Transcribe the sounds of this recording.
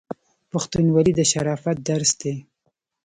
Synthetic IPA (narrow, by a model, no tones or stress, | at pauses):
paxt̪unwalid̪əʃaɾɑfat̪̚d̪aɾsd̪e